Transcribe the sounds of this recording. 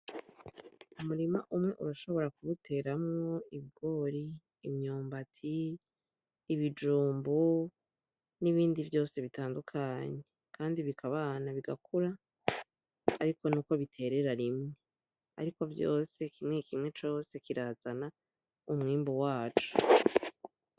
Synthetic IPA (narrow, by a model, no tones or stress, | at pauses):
umuɾima̰ʔumŋe̞ʔṵɾaʃo̞βo̞ɾakuβutʰe̞ːɾamŋo̞iβiɡ̥o̞ːɾiː | mɲoːmbatʰi | βid͡ʒuːmbo | niβiːndivjo̞ːse̞βitaːndukʰaɲe̞ | kaːndiβikʰaβanaβiɡakʰuɾa | ɾiko̞nuːko̞βitʰe̞ːɾe̞ɾaɾimŋe̞ | a̰ɾiko̞vjo̞̰ːse̞kimŋekʰimŋe̞t͡ʃo̞ːse̞kiɾaːz̥ana | umŋiːmbowaːt͡ʃu̥